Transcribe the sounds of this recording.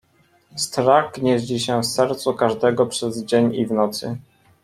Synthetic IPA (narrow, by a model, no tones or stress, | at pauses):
st̪ɾakɲeʑd͡ʑiɕɛfsɛɾt̪sukaʐd̪ɛɡɔpʂɛzd͡ʑeɲivnɔt̪sɘ̰